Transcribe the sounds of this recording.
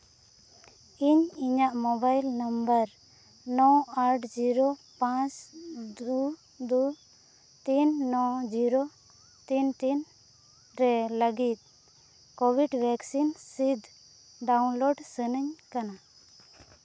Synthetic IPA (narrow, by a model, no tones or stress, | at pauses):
iɲiɲaʔmɔbajlnəmbəɾ | nɔaʈʰd͡ʒiɾopãt͡ʃd̪u | d̪u | t̪inːɔd͡ʒiɾo | t̪int̪in | ɾɛləɡit̪̚ˀ | kobʱiɖbʱɛksinsid̪ʱ | ɖawnloɖsənəɲkana